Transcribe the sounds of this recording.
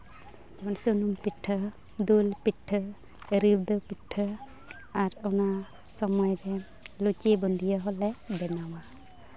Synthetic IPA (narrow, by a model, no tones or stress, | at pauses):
d͡ʒɛmansunumpiʈʰːə | d̪ulpitʰːə | ɾibd̪ɔpitʰːə | aɾɔna | sɔmɔjɾɛ | lut͡ʃibɔnd̪ʱijɔɦɔlɛbɛnawa